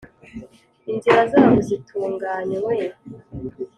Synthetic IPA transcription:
inziɾazaːβozitʰuːŋɡaːɲeweje

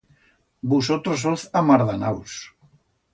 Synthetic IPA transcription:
busot̪ɾosoθamaɾðanaws

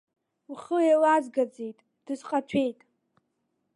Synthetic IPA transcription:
wχəjalazɡad͡zejtʼ | d̥ɨzqʼat͡ʃʷʰe̞jtʼ

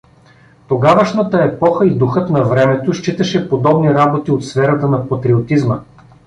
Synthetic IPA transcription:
t̪oɡavəʃnət̪əɛpɔxəid̪uxɤt̪nɐvɾɛmɛt̪oʃt͡ʃit̪əʃɛpod̪ɔbniɾabot̪iot̪sfɛɾɐt̪ənɐpɐt̪ɾiot̪izmə

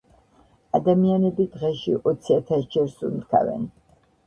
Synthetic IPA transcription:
ad̪amianɛbid̪ʁɛʃiʔɔt̪sʰiat̪ʰasd͡ʒɛɾsund̪kʰa̰vɛ̰n

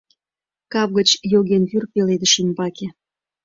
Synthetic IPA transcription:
kɑp̚ɣət͡ɕjoɣenβyrpeled̪ə̆ʃymbɑke

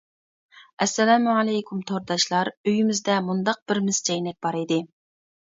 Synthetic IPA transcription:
ɛsːɛlɛmuʕɑlɛjkʰʲumt̪ʰoɾd̪ɑʃlˠɑɾøjymɪzd̪ɛmund̪ɑq̚b̥ɪɾmɪz̥d͡ʒɛjnɛk̚ʲbɑɾɨd̪ɨ

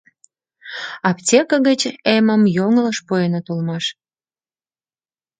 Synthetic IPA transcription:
ɑptʲekəɣət͡ɕeməmjoŋələʃpujenot̪ulmɑʃ

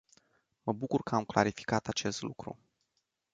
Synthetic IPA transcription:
məbukurkəamkla̰ɾifi̥kat̪at͡ʃe̞st̪lukɾṵ

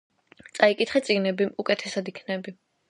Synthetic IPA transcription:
t̪sʼaikʼit̪ʰχɛt̪sʼiɡnɛbiukʼɛt̪ʰɛsad̪ikʰnɛbi

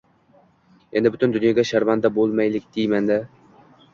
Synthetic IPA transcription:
e̞nd̪ɪbʊt̪ɪnd̪ʊnjɒɡʲaʃaɾvand̪abolˠmajlɪkʲd̪ɪjmand̪a

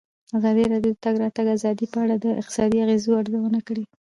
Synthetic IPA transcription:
azɑd̪iɾɑɖjod̪ət̪aɡɾɑt̪aɡazɑd̪ipəaɽad̪əɪ̰qt̪ɪ̥sɑd̪iaɣezoaɽzawənakɽi

